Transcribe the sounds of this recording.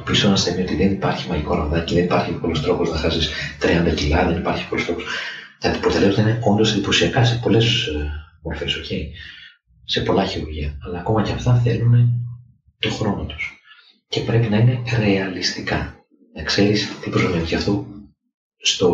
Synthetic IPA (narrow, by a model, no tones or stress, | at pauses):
pisonɐst̪emio̞t̪iðe̞nipɐɾçimɐliko̞ɾɐvðɐceðe̞nipɐɾçipolost̪ɾo̞po̞znɐxɐsist̪ɾiɐnd̪ɐcilɐðenipɐɾçi̥polust̪o̞po̞̥skɐt̪i̥pɾot̪eleot̪ɐine̞o̞nd̪o̞send̪ipo̞siɐkɐse̞po̞le̞smo̞ɾfe̞soce̞i | se̞po̞lɐçiɾuɾʝiɐːlɐːko̞mɐceɐft̪ɐθe̞lune̞ | t̪o̞xɾo̞not̪o̥s | ce̞pɾe̞pinɐine̞ɾe̞ɐlist̪ikɐ | nɐkse̞ɾist̪ipɾozomeniɐft̪o | st̪o̞